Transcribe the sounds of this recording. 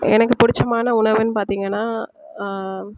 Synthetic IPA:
ɛ̰nɐk̬ːɯpʊɽɪt͡ʃːɐmaːnɐʊɳɐʋɐnpaːɾt̪iːŋɡɐnːaː

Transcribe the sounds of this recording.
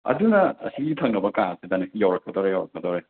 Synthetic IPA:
ɐ̰dunɐɐ̰siɡitʰɐŋnɐbɐkaŋɐsʰidɐnɐk̚ijawɾɐk̚ʰːɐd̪oɾejawɾɐk̚ʰːɐd̪oɾej

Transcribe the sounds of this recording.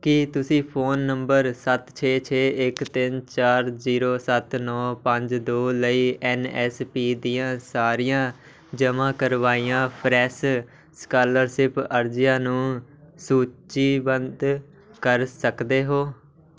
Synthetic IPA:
kɪt̪ʊsĩːpʰoːnːəmbəɾsət̪t͡ʃʰeːt͡ʃʰeːʔɪkt̪ɪnt͡ʃaːɾziːɾoːsət̪nɔːpəɲd͡ʒd̪oːləiːɛːnɛːspiːd̪ijãːsaːɾijãː | d͡ʒəmãːkəɾʋaːiːãːpʰɾɛːs | skaːləɾsɪpəɾd͡ʒɪjãːnũː | suːt͡ʃiːbənd̪ | kəɾsəkd̪eːɦoː

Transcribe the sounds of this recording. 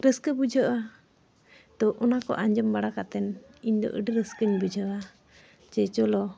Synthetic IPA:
ɾəskəbud͡ʒʱəʔa | d̪̥ɔʔɔnakɔ̰ʔaɲd͡ʒəmbaɽakaʔt̪ɛniɲd̪ɔ̰ʔə̰ɖəɾəskəɲbud͡ʒʱəʔa | t͡ʃɛt͡ʃɔlɔ

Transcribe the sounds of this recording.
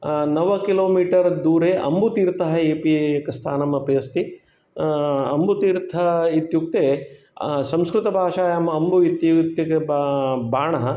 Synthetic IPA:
nɐʋɐkiloːmiːʈɐɾd̪uːɾeːʔɐ̰mbut̪iːɾt̪ɐɦɐeːpikɐst̪ʰaːnɐmɐpɐjɐst̪i | ɐmbʱut̪iːɾt̪ʰɐɐit̪juk̚t̪eː | sɐmskɾɪt̪ɐbʱaːʃaːjɐmɐɐmbuit̪jut̪jɐkebbʱaːɳɐɦɐ

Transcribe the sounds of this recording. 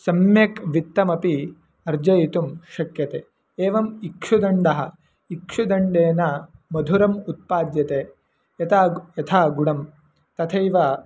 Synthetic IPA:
sɐmjɐkʋit̪ːɐmɐpi | ɐɾd͡ʒɐjit̪umʃɐkjɐt̪eː | eːʋɐmikʂud̪ɐɳɖɐɦɐ̆ | ikʂud̪ɐɳɖeːnɐmɐd̪ʱuɾɐmut̪̚paːd̪jɐt̪eː | ɐt̪aːjɐt̪ʰaːɡuɽɐm | t̪ɐt̪ʰɐjʋɐ

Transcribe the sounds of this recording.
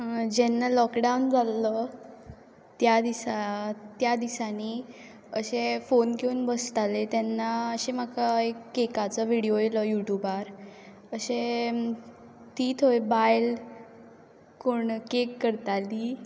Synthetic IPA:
d͡ʑɛnːalɔkɖawnd͡zalə | t̪jad̪isat̪jad̪isaniː | əɕefonkeunbəst̪alet̪jɛnːaəɕem̤akaekːekat͡səʋiɽijojeləjuʈjubaɾ | əɕe | t̪iːt̪ʰojbajl | koɳkekːəɾt̪aliː

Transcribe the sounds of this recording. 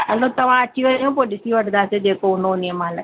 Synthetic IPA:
ɐlot̪ɐʋ̤ãːɐʈʰiʋəjõːpoːɗɪsiːʋɐʈʰnd̪aːsed͡ʒeːkoʊnonɪmaːlə

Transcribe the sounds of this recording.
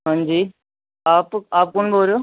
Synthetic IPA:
ɦãnd͡ʒiː | aːpaːp̚kʊɳboːɾoː

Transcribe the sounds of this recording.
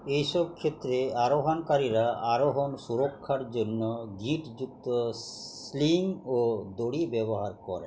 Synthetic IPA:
ejsɔb̚kʰet̪ːɾeaɾoɦankaɾiɾaʔaɾoɦɔnsuɾɔkʰːaɾd͡ʒonːɔɡʱĩʈd͡ʒuk̚t̪ɔsliŋod̪oɽibɛbɔɦaɾkɔɾɛ̰

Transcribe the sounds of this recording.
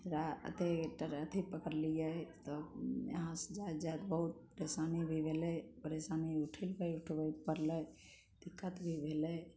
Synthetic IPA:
ɾaə̰t̪eʈəɾət̪ʰipəkəɾliat̪ɔjə̰ɦãsd͡ʒad͡ʒad̪bəɦut̪̚pəɾesaːnibʱibʱelɛpəɾesaniuʈʰilbəjuʈʰbəpəɾlə | d̪̥ikːət̪bʱibʱele

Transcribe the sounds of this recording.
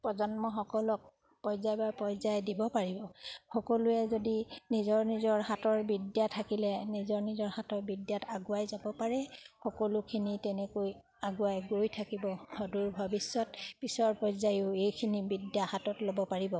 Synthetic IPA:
pɹɔzɔnmɔxɔkɔlɔk̚ | pɔjzajbaɹpɔjzajdibɔpaɹibɔxɔkɔlʊɛzodinizɔɹnizɔɹhatɔɹbidjatʰakilɛnizɔɹnizɔɹhatɔɹbidjatʰaɡʊajzabɔpaɹɛxɔkɔlʊkʰinitɛnɛkoj | aɡʊajɡojtʰakibɔhɔduɹbʱɔbisːɔtpisɔɹpɔjzajʊejkʰinibidjahatɔtlobɔpaɹibɔ

